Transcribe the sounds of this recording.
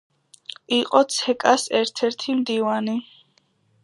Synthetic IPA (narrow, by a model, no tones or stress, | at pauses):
iqʼɔt̪sʰɛkʼasɛɾt̪ʰɛɾt̪ʰimd̪ivani